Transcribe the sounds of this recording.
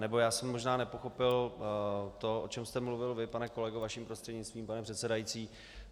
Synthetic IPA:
nɛbo̞jaːsɛmːo̞ʒnaːnɛpo̞xo̞pɪl | t̪o̞ʔot͡ʃɛmst̪ɛmluvɪlvɪpanɛko̞lɛɡovaʃiːmpɾost̪r̥ɛdɲɪt͡st̪viːmpanɛpr̝̥ɛt̪sɛdajit͡siː

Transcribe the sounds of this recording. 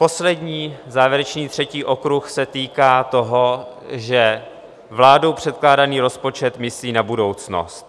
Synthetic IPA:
po̞slɛdɲiːzaːvjɛɾɛt͡ʃniːt̪r̝̥ɛciːʔo̞kɾuxsɛt̪iːkaːt̪o̞ɦo̞ | ʒɛ | vlaːdo̞wpr̝̥ɛt̪̚klaːdaniːɾo̞spo̞t͡ʃɛt̪mɪsliːnabudo̞wt͡sno̞̰st̪̚

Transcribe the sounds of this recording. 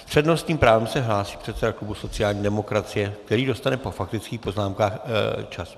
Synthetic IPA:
pr̥ɛdno̞st̪ɲiːmpɾaːvɛmsɛɦlaːsiːpr̥ɛt̪sɛdaklubuso̞t͡sɪjaːlɲiːdɛmo̞kɾat͡sɪjɛk̚t̪ɛɾiːdo̞st̪anɛpo̞fak̚t̪ɪt͡skiːxpo̞znaːmkaːxt͡ʃas

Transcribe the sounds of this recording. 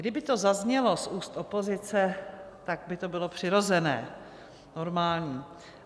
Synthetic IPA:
ɡdɪbɪt̪o̞zazɲɛlo̞sʔuːst̪opo̞zɪt͡sɛt̪aɡ̚bɪt̪o̞bɪlo̞pr̥ɪɾo̞zɛnɛ̰ː | no̞ɾmaːlɲiː

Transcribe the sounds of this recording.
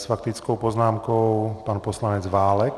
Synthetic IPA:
sfakt̪it͡skɔʊpɔznaːmkɔʊpaːnpɔslaɲɛd͡zʋaːlɛk

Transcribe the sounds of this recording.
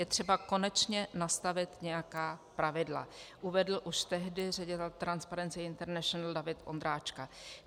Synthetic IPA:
jɛt̪r̝̥ɛbako̞nɛt͡ʃɲɛnast̪avɪt̪ɲɛjakaːpɾavɪdla̰ʔuvɛdl̩ʔuʃt̪ɛɦdɪrɛɟɪt̪ɛlt̪ɾanspaɾɛnt͡sɪɪnt̪ɛɾnɛʃonaldavɪt̪ʔo̰nd̪ɾaːt͡ʃka

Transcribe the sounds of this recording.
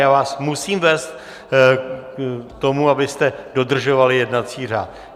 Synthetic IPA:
jaːvaːsmusiːmvɛːst̪ | t̪o̞muabɪst̪ɛdo̞d̪r̩ʒo̞valɪjɛdnat͡siːr̝a̰ːt̪

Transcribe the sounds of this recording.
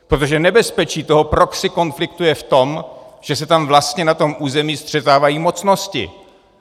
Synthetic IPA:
pɾot̪o̞ʒɛnɛbɛspɛt͡ʃiːt̪oɦo̞pɾo̞ksɪko̞nflɪkt̪ujɛft̪o̞mʒ̥ɛsɛt̪amvlast̪ɲɛnat̪o̞mʔuːzɛmiːst̪r̝̥ɛt̪aːvajiːmo̞t͡sno̞scɪ̰

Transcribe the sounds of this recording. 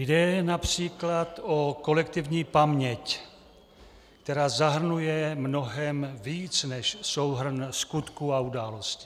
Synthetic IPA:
jdɛnapr̥iːklat̪oko̞lɛk̚t̪ɪvɲiːpamɲɛc | kt̪ɛɾaːzaɦr̩nujɛmno̞ɦɛmviːt͡snɛʃsowɦr̩nskut̪kuaudaːlo̞scɪ̥

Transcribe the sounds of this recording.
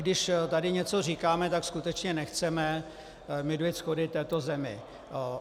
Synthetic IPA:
dɪʃt̪adɪɲɛt͡so̞r̝iːkaːmɛt̪akskut̪ɛt͡ʃɲɛnɛxt͡sɛmɛ | mɪdujɪt̪sxodɪt̪ɛːt̪o̞zɛmɪ̰

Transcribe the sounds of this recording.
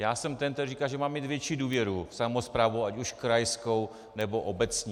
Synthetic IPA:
jaːsɛmt̪ɛnt̪ɛrrikaʒɛmaːmːiːt̪vjɛt͡ʃiːduːvjɛɾusamospɾaːvowacuʃkɾajskow | nɛboʔobɛt͡sɲɛ

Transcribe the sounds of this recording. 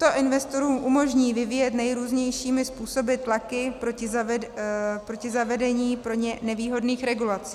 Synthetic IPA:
t̪o̞ʔɪnvɛst̪o̞ɾuːmʔumo̞ʒɲiːvɪviːjɛt̪nɛjɾuːzɲɛjʃiːmɪspuːso̞bɪt̪lakɪpɾoɪz | pɾocɪzavɛdɛɲiːpɾo̞ɲɛnɛviːɦo̞dniːxɾɛɡulat͡si̥ː

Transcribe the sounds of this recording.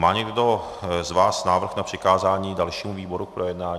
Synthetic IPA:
maːɲɛɡɡdo | zvaːsnaːvr̩xnapr̝̥ɪkaːzaːɲiːdalʃiːmuviːbo̞ɾuk̚pɾojɛdnaːɲ

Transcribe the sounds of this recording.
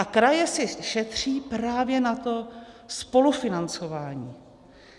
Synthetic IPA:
akɾajɛsɪʃɛt̪r̝̥iːpɾaːvjɛnat̪o̞ | spo̞lufɪnant͡so̞vaːɲiː

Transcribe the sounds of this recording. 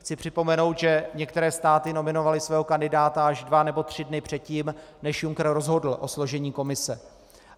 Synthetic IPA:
xt͡sɪpr̝̥ɪpo̞mɛno̞wt̪ʒɛɲɛkt̪ɛɾɛːst̪aːt̪ɪno̞mɪno̞valɪsvɛːɦokandɪdaːt̪aaʒdvanɛbo̞t̪r̥ɪdnɪpr̝̥ɛt̪̚ciːmnɛʃjuŋkr̩ɾo̞zɦo̞dl̩ʔo̞slo̞ʒɛɲiːko̞mɪsɛ

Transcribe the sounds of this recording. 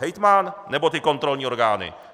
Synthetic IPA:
ɛjt̪manːɛbo̞t̪ɪko̞nt̪ɾo̞lɲiːo̞ɾɡaːnɪ̰

